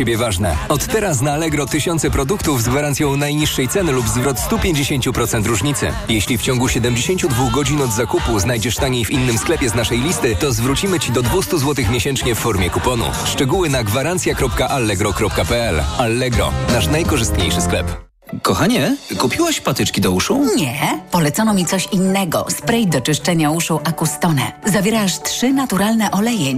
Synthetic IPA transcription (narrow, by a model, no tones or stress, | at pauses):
t͡ɕebʲjɛvaʐnɛ̰ɔt̪ːɛɾasnaːlɛɡɾɔt̪ɘɕɔnsɛpɾɔd̪ukt̪uvzɡvaɾant̪sʲjɔ̃w̃najɲiʂːɛjt̪sɛnɘlubzvɾɔt̪st̪upʲjeɲd͡ʑeɕeɲt͡ɕupɾɔt̪sɛnt̪ɾuʐɲit̪sɘ̰ | jeɕlʲift͡ɕɔŋɡuɕɛd̪ɛmd͡ʑeɕeɲt͡ɕud̪vuɣɡɔd͡ʑinɔd̪zakupuznajd͡ʑɛʂt̪aɲejvʲinːɘmsklɛpʲjɛznaʂɛjlʲist̪ɘt̪ɔzvɾut͡ɕimɘt͡ɕid̪ɔd̪vust̪uzwɔt̪ɘxmʲjeɕɛnt͡ʂɲɛfːɔɾmʲjɛkupɔnṵfʂt͡ʂɛɡuwɘnaɡvaɾant̪sʲjakɾɔp̚kaʔalːɛɡɾɔkɾɔp̚kapɛɛlalːɛɡɾɔ̰naʂnajkɔʐɘst̪ɲejʂɘsklɛ̰p | kɔxaɲɛkupʲiwaɕpat̪ɘt͡ʂkʲid̪ɔuʂuɲɛpɔlɛt̪sɔnɔmʲit̪sɔɕinːɛɡɔ̰spɾɛjd̪ɔt͡ʂɘʂt͡ʂɛɲauʂɔwʔakust̪ɔnɛ̰zavʲjɛɾaʂtʂɘnat̪uɾalnɛʔɔlɛjɛɲ